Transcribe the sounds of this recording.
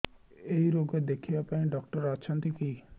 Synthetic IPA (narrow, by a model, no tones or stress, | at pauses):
eɦiɾoɡed̪ekʰibapaĩɖɔkʈəɾat͡ʃʰɔ̃nt̪iki